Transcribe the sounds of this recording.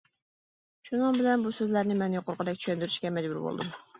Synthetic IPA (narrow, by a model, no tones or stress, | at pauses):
ʃunɨŋbɪlɛnbusøzlæɾnɪmɛnjoqʰʊɾqʰəd̪ɛkʲt͡ʃʰyʃɛnd̪yɾyʃkʲɛmɛd͡ʒbuɾbo̰lˠd̪ṵm